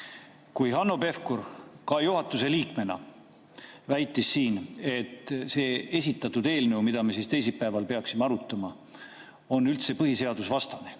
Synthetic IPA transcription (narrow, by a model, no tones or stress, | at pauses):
kujɦɑnːo̞be̞fkuɾkɑjuɦɑt̪ːˑuse̞liːkme̞nɑ̰ | væjt̪ːˑisːiːne̞t̪ːˑse̞ːe̞sʲit̪ːˑɑt̪ːud̪̥e̞ːlneumid̪̥ɑmesist̪e̞js̬ilpæevɑlpe̞ɑksimeɑɾut̪ːˑɑmɑ | o̞nːylt̪se̞pɤɦise̞ɑd̪̥usvɑst̪ɑne